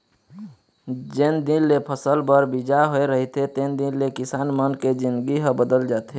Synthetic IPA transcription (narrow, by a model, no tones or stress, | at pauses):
d͡ʒend̪inlepʰəsəlbəɾbid͡ʒaɦoeɾəɦit̪et̪end̪inlekɪsaːnmənked͡ʒind̪ɡiɦəbəd̪əld͡ʒaːt̪ɦe